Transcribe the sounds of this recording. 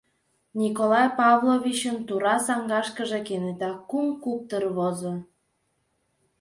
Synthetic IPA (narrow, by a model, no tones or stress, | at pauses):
nʲikolɑjpɑβlˠoβʲit͡ɕənt̪uɾɑsɑŋɡɑʃkəʒekenet̪ɑkumkup̚t̪ərβozo